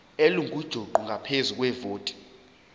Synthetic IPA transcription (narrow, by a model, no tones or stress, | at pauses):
eluŋʱud̥ʒ̥ʱoǃuŋʱapʰezuk̬ʼwɛvoːtʼi̥